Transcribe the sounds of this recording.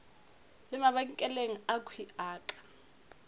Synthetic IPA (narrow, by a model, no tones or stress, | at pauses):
lɪmaβakikʼɛleŋ̩akʰwiaːkʼḁ